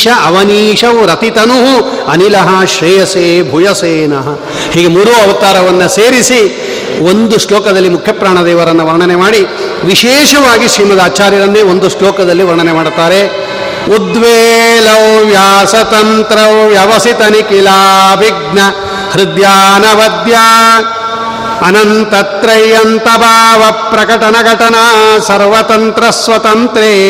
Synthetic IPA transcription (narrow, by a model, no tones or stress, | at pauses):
ʃɐʔɐʋɐniːʃɐʋɾɐt̪it̪ɐnuɦu | ɐnilɐɦɐʃɾijɐseːbʱujɐseːnɐɦɐ | hiːɡemuɾuɐʋɐt̪aːɾɐʋɐnːɐseːɾisi | ond̪uʃɭoːkɐd̪ɐlːimukʰjɐpɾaːɳɐd̪ɛːʋɐɾɐnːɐʋɐɾɳɐnemaːɽi | ʋiʃeːʃɐʋaːɡiʃɾiːmɐd̪aːt͡ʃaːɾjɐɾɐnd̪eond̪uʂɭoːkɐd̪ɐlːiʋɐɾɳɐnemaːɽt̪aːɾe | ud̪ʋeːlɐwʋjaːsɐt̪ɐnt̪ɾɐwʋjɐʋɐsit̪ɐnikilaːʋiɡɳɐ | hɾid̪jaːnɐʋɐd̪jaː | ɐnɐnt̪ɐt̪ɾɐjɐnt̪ɐbʱaːʋɐpɾɐkɐʈɐnɐɡɐʈɐnɐsɐɾʋɐt̪ɐnt̪ɾɐsʋɐt̪ɐnt̪ɾeː